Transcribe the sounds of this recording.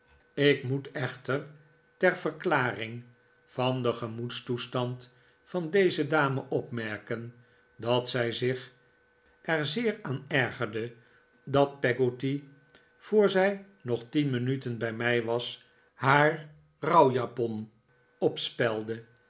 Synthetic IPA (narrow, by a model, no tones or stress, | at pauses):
ɪkmutɛχtər | tɛɹv̥əɹklaːrɪŋ | v̥ɑndəχəmutstustɑnt | fɑndejzədaːməʔɔpmɛɹkən | dɑtsɛjzɪχ | ʔɛɹzɪːɹaːnɛɹχəɹdə | dɑt̚pɛɡoti | v̥ʊːɹzɛj | nɔχtinmənytənbɛjmɛjʋɑs | ɦaːɹ | rɑwjapɔn | ɔpspɛlˠdə